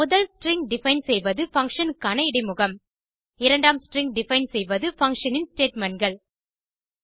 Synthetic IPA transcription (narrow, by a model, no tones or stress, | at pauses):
mʊðɐlsʈɾɪŋɡ̚ɖɪfɐɪnsɛjʋɐðɯfɐŋkʂɐnkɐnɐɪɽɐɪmʊɣɐm | ɪɾɐɳɖaːmsʈɾɪŋɡ̚ɖɪfɐɪnsɛjʋɐðɯfɐŋkʂɐnɪnsʈeːʈmɐɳɡɐɭ